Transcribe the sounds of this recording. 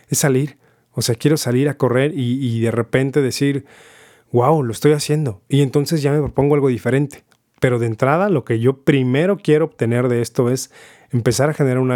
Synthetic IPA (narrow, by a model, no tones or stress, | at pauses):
esːaliɾ | oseakje̞ɾo̞saliɾako̞re̞ɾiːðe̞re̞pe̞nt̪e̞ðe̞siɾ | wawloest̪ojasje̞nd̪o̞ie̞nt̪o̞nse̞zʝame̞pɾopo̞ŋɡoalɣo̞ðife̞ɾe̞nt̪e̥ | pe̞ɾo̞ðe̞nt̪ɾað̞alo̞ke̞ʝo̞pɾime̞ɾo̞kje̞ɾoːβt̪ene̞ɾðe̞est̪o̞e̞s | empe̞saɾaxe̞ne̞ɾaɾuna